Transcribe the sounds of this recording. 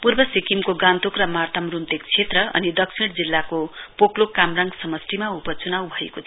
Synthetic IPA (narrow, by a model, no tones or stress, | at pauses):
purbʌsikimkoɡãnt̪okrʌmart̪ʌmrunt̪ekt͡sʰet̪rʌʌ̰nid̪ʌksiɽd͡zilːakopoklokamraŋɡsʌmʌsʈimaupʌt͡sunawbʱʌḛkot̪ʰ